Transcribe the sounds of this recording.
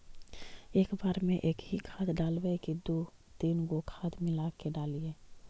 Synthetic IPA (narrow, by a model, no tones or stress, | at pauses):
eːkbaːɾmẽʔeːkɦikʰaːt̪ɖaːlwekid̪oː | d̪̥iːnɡokʰaːt̪mɪlaːkeɖaːlieː